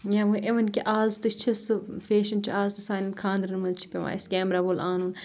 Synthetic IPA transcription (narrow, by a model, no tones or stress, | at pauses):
jaːʋuʔeʋɐnkiʔaːzt̪ɨt͡ʃʰɐsɨfeːʃɐnt͡ʃʰiaːzt̪ɨsaːnɐnkʰãːnd̪ɾɐnmɐlt͡ʃʰi̥pʲeʋa̰ːjisɡʲeːmɾaʋolaːnun